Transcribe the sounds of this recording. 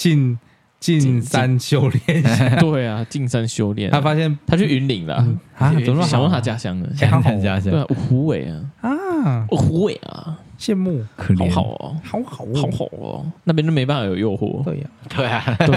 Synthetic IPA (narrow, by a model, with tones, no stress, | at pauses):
t͡ɕi˥˧n | t͡ɕi˥˨˧nsa˦nɕjo˦˥ʊljɛ˥˨nt̪we˥˩ɪa˩t͡ɕi˥˩nsa˦nɕjo˥ʊljɛ̰˥˩˨nʰa˥fa˥ɕjɛ˥˨nt̪ʰa˥t͡ɕʰy˥˩y˧˥nli˨˩ŋlə̰˦˨˩ | ɕŋwə˥˧nt̪a˧˥t͡ɕja˥ɕjɑ˥ŋə̰˨˩˨t͡ɕa˧˥we˥˩a̰˨ʔu˨˩xu˨˧˥we˨˩ɪɐ̰˦a˥˩u˨˩xu˧˥we˨˩ʔɐ̰˩ɕjɛ˥˧nmu˥˩kʰə˨˩xɑ˨˥˦xɑ̰˨˩ʊə̰˧xɑ˨˦ʊxɑ˨˩˦ɑ˨˧˦ʊxɑ̰˨˩ʊə̰˩na˥˩pjɛ˥nʈ͡ʂə˥me˧ɪpa˥˩fɑ˨˩jo˨˩jo˥˧ʊxwɔ̰˥˩we˥˩t̪we˥˩ɪa˨˩we˥˩